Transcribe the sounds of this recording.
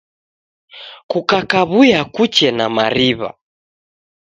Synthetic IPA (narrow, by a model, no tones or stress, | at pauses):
kukakaβujakut͡ʃɛnamaɾiβa̰